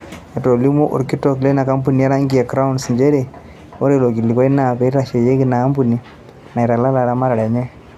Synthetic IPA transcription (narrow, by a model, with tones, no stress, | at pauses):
ɛ˨to˨li˦mu˦ʔɔ̰˨ɾki˦tɔ˦˨kle˦na˨ka˦mp̬u˦˨ni˨a˦ɾa˦ŋɡi˦a˨kɾa˦u˦nsi˨ɲd͡ʒe˦ɾe˨ | o˦ɾe˨lo˨ki˨li˨kɔ˦i˦na˨pɛ˨˦ɾa˨ʃe˨je˦ki˦naː˨˦mpu˦˨ni˨ | na˨i˨ɾa˨la˦la˨ɾa˦ma˦ɾa˨ɽɛ˨ɲɛ˦